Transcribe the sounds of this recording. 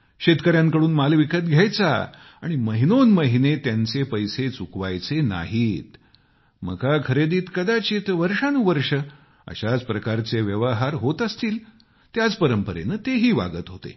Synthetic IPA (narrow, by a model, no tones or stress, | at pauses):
ɕet̪kəɾjãŋkəɽuːnmalʋikət̪̚ɡʱjajt͡sa̰ | a̰ɽ̃iməɦinonməɦinet̪jant͡sepəjset͡sukʋajt͡sena̰ɦiːt̪ | mə̰kakʰəɾed̪iːt̪kəd̪at͡ɕit̪ʋəɾʂanuːʋəɾʂə | ə̰ɕad͡zpɾəkaɾt͡seʋjəʋəɦaɾɦot̪əst̪iːl | t̪jad͡zpəɾəmpəɾḛnət̪eɦiːʋa̰ɡət̪ɦot̪ḛ